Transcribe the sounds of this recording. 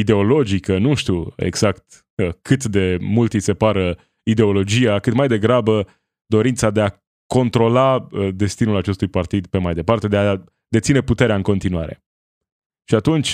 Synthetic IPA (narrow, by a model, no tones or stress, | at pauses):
id̪e̞o̞lo̞d͡ʒikənuʃt̪uḛɡz̥akt̪ | əkʰɨt̪d̪e̞mult̪ijse̞paɾə | id̪e̞o̞lo̞d͡ʒijakɨt̪majd̪e̞ɡɾabə | d̪o̞ɾint̪sad̪e̞a | ko̞nt̪ɾo̞laəd̪e̞st̪inulat͡ʃe̞st̪ujpart̪id̪pe̞majd̪e̞part̪e̞d̪e̞a | d̪e̞t̪sine̞put̪e̞ɾeaɨŋko̞nt̪inuaɾe̞̰ | ʃiat̪unt͡ʃʲ